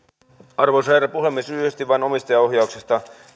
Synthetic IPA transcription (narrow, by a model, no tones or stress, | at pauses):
ɑrʋosæɾæpuɦemːesyːhest̪iʋʋɑjno̞mist̪ɑjɑo̞ɦjɑuwksist̪ɑ